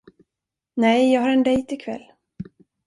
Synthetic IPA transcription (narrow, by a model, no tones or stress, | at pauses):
nɛjjɑːɡɦaɾɛnd̪ɛjt̪ɪkʰvɛ̰lː